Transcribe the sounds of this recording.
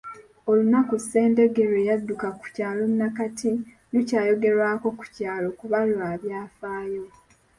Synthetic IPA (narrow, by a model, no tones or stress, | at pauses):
o̞lunakuse̞ːndeɡe̞ɾweːjadːukaku̥caːlomnakatʰi | lucaːjo̞ɡe̞ɾwaːko̞ku̥caːlo̞kuβalwaːβjaːfaːjo̞